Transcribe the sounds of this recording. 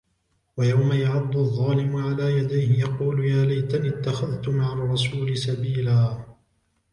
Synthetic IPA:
wajawmajaʕad̪ˤːʊɑðˤːɑːlɪmʊʕalaːjad̪ajhɪjɑquːljaːlajt̪anɪt̪ːaxaðt̪ʊmaʕɑrˤːɑsuːlɪsabiːlaː

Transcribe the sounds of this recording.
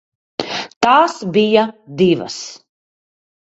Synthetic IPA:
t̪aːsbijad̪iva̰s

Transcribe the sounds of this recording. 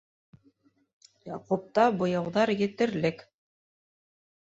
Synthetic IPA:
jɑ̰qup̚t̪ɑbŏjɑwðɑɾjɘ̆t̪ɘ̆ɾlɘk

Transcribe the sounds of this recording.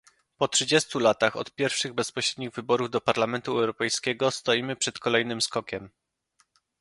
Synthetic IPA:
pɔtʂɘd͡ʑest̪ulat̪axɔ̰t̪pʲjɛɾfʂɘɣbɛspɔɕɾɛd̪ɲiɣvɘbɔɾuvd̪ɔpaɾlamɛnt̪uɛwɾɔpɛjskʲɛɡɔst̪ɔjimɘpʂɛt̪kɔlɛjnɘmskɔkʲɛm

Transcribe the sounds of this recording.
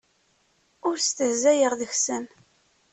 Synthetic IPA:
ʊɾst̪əzæjəʁðəçsən

